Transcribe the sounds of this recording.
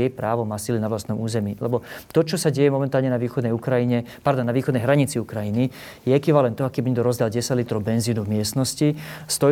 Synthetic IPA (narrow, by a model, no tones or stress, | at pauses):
ɛpɾaːʋɔmasilinaʋlast̪nɔmuːzɛmiːlɛbɔt̪ɔt͡ʃɔsaɟɛjɛmɔmɛnt̪aːlɲɛnaʋiːxɔd̪nɛjukɾaiɲɛpaɾd̪ɔnːaʋiːxɔd̪nɛjɦɾaɲit͡siukɾajini | jɛɛkʋiʋalɛnt̪ɔakibiɲɛɡd̪ɔɾɔzd̪alɟɛsaɟlit̪ɾɔwbɛnziːnuvmɪɛst̪nɔscist̪ɔ